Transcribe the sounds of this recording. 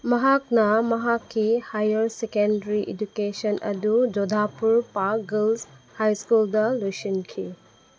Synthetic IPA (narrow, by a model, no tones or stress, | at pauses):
mɐɦak̚nɐmɐɦakʰːihajɐɾsekendɐɾiʔed͡ʒukesɐnʔɐ̰dud͡ʒodʱapuɾpaɡilshajskuldɐlojsinkʰi